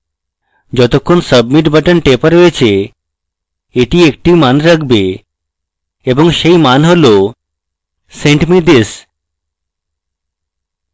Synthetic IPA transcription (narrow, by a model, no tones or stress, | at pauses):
d͡ʑɔt̪okʰːonsəbmiʈbʱəʈənʈepaɾɦoet͡ɕʰe | eʈiek̚ʈimanɾakʰbe | eboŋʃejmanɦolo | seɳʈmid̪es